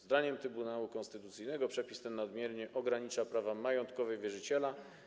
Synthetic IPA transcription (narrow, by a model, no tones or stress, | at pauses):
d̪aɲɛmt̪ɾɘbunawukɔ̃nst̪ɘt̪ut̪sɘjnɛɡɔpʂɛpʲist̪ɛnːad̪mʲjɛɾɲɛʔɔɡɾaɲit͡ʂapɾavamajɔnt̪kɔvɛjvʲjɛʐɘt͡ɕɛla